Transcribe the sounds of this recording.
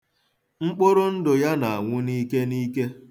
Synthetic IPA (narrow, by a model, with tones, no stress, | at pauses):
ŋ͡m̩˦k͡po˦ɾo˦n̩˦do˨ja˦na˨a˨ŋʷʊ˦ni˦ke˦niː˦ke˦